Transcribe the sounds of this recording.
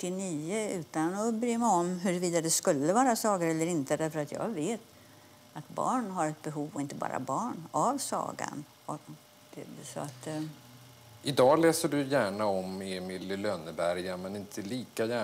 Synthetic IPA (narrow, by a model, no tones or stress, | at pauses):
ʈ̪ːɪniːəʉ̟ːt̪anɔbɾyːmaɔmɦɵɾviːd̪ad̪ɛskɵlːəvɑːɾasɑːɡaɾɛlːəɾɪnt̪əd̪æɾfœɾat̪jɑ̰ːɡveːt̪ | at̪bɑ̰ːɳɦaɾɛt̪̚bɛɦuːvɔɪnt̪əbɑ̰ːɾa̰bɑːɳavsɑ̰ːɡa̰n | ɔ̥ | ɛsɔat̪ | ʔɪd̪ɑːlɛːsəɖɵjæːɳaɔmeːmɪlɪlœːnəbæɾjamɛnɪnt̪ʰəliːkajæː